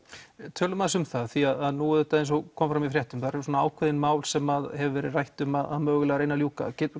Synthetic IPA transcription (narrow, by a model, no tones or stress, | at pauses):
t̪ʰœːlʏmaðsʏmθaðθiaðaðnuðɛt̪aðejns̬ɔɣkʰɔmfɾamifɾjɛht̪ʏmθaɾɛɾsuɔnaaːwkʰvɛðɪnmaːwlsɛmaðhɛvʏvɛːɾɪðrajht̪ʏmaða̰ðmœːɣʏlɛɣaɾejnaljuːka̰cɛ